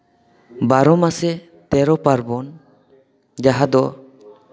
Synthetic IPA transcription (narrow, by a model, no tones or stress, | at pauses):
baɾɔmasɛ | t̪ɛɾɔpaɾbɔn | d͡ʒaɦad̪ɔ